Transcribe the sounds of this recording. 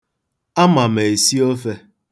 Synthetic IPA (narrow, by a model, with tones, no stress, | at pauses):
a˦ma˨m˨e˨i˨si˦o˦fe˦